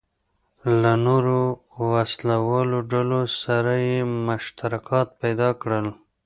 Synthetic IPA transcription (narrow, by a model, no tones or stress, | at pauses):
lanoɾo | waslawɑloɖalosaɾajemʊʃt̪aɾakɑt̪̚pajd̪ɑkɽəl